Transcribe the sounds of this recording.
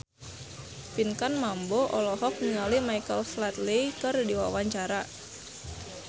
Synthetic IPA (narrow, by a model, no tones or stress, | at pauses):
pinkanmamboʔɔlɔɦɔk̚niŋalimajkəlslat̪likərdiwawaɲt͡ʃaɾa